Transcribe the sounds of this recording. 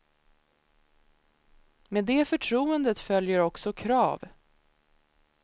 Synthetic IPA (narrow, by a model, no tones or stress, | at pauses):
meːd̪eːfœʈʰɾuːənd̪ət̪fœljəɾɔksɔkʰɾɑːv